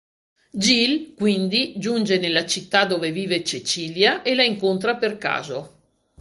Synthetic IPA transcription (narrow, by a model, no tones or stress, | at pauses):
d͡ʒilkwind̪id͡ʒund͡ʒenelːat͡ʃit̪ːad̪oːveviːvet͡ʃet͡ʃiːljaʔelaiŋkont̪ɾaperka̰ːzo